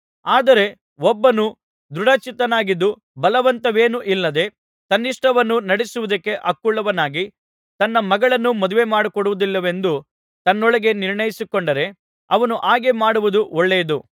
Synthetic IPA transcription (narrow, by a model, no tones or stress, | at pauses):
aːd̪ɐɾe̞ | ɔbːɐnu | d̪ɾuɽɐt͡ʃit̪ɐnaːɡid̪ːu | bɐlɐʋɐnt̪ɐʋe̞ːnuʔilːɐd̪e̞ | t̪ɐnːiʂʈɐʋɐnːunɐɽisuʋud̪ɐkːe̞ʔɐkːuɭːɐʋɐnaːɡi | t̪ɐnːɐmɐɡɐɭɐnːumɔd̪uʋe̞maːɽukɔɽuʋud̪ilːɐʋe̞nd̪u | t̪ɐnːɔɭɐɡe̞niɾɳɐjisikɔɳɖɐɾe̞ | ɐ̰ʋɐnuʔaːɡe̞maːɽuʋud̪uʔɔɭːejɐd̪u